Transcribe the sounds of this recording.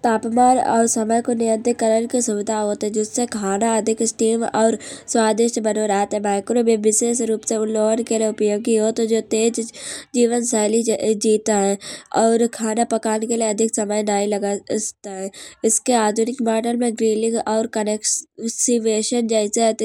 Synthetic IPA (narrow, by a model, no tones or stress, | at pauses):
t̪aːpmaːnɔ̰ːɾsɐməjkonɪjə̃nt̪ɪkəɾəɾkisʊʋɪd̪ʱaɦoːt̪ɦɛ̃d͡ʒɪsːekʰaːnaɐd̪ʱɪkɪsʈiːmɔ̰ːɾswaːd̪ɪʃʈbɐnoɾaːt̪ɦɛ̃maːkɾobeʋɪseːʃɾuːpseʊlːoːənkelieʊpjoːɡiɦoːt̪od͡ʒoːt̪eːd͡ʒd͡ʒiːʋənsaːlid͡ʒiːt̪aɦɛɔːɾkʰaːnapɐkaːnekelieɐd̪ʱɪksɐməjnaːilɐɡast̪aɦɛ̃ɪskeaːd̪ʱʊnɪkmaːɖəlmẽɡɾiːlɪ̃ŋɡɔːɾkɐnɛːksiʋeːʃənd͡ʒəɪse